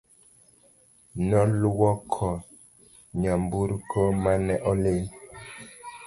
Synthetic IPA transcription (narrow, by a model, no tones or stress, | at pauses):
nɔlwɔkʰɔ | ɲambuɾkʰɔmanɛʔɔle